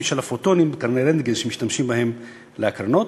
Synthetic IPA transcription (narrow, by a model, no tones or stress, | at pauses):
iʃalafot̪onimbekaɾneɾendɡezʃemiʃt̪amʃimbahem | leakɾanot